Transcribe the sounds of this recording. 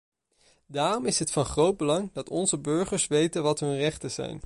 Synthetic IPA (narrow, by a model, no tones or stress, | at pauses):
daːrɔmɪsɦətfɑnχrowd̚bəlɑŋdɑtɔnzəbɵɹχəɹsʋejtənʋɑtɦɵnrɛχtəz̥ɛ̰jn